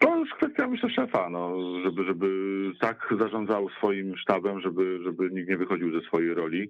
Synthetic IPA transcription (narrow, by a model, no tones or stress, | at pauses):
t̪ɔskfɛst̪ʲjamɘɕlɛʂɛfanɔʐɛbɘʐɛbɘt̪akzaʐɔnd̪zawsfɔjimʂt̪abɛmʐɛbɘʐɛbɘɲik̚t̪ɲɛvɘxɔd͡ʑiwzɛsfɔjejɾɔlʲi